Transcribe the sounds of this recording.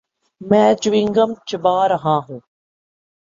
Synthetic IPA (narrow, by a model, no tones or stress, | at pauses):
mɛ̃ːd͡ʒʋĩŋɡəmt͡ʃɪbaːɾɐɦãːɦũː